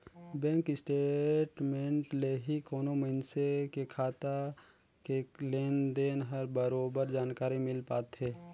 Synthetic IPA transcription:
bɛ̃ːŋkɪsʈeʈmẽːɳʈleɦikoːnoməɪnsekekʰaːt̪a | keleːnd̪eːnɦəɾbəɾoːbəɾd͡ʒaːnkaːɾimɪlpaːt̪ɦeː

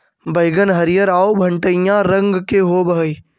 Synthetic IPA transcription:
bəjɡənɦɐɾɪjəɾaːobʱə̃ɳʈəjãɾə̃ŋɡkeɦoːbəɦi

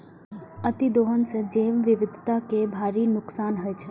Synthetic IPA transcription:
ət̪id̪oɦənsəd͡ʒeːʋʋɪʋɪd̪ʱt̪akebʱaːɾinʊksaːnɦəjt͡ʃʰe

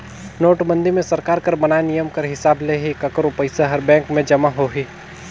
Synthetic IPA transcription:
noːʈbɐ̃nd̪imẽsɐɾkaːɾkɐɾbɐnaːenijəmkɐɾɦɪsaːbleɦikɐkɾopɐɪsaɦɐɾbɛ̃ːŋkmẽd͡ʒɐmaɦoːɦiː

